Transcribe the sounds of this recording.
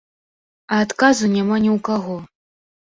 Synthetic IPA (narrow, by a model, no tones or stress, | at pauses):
aːt̪kazunʲamanʲiwkaɣo